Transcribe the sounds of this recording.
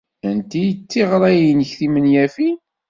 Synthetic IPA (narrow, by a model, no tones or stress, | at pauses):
ænt̪ijət͡sːiʁɾˤæjənəçθimənjæfi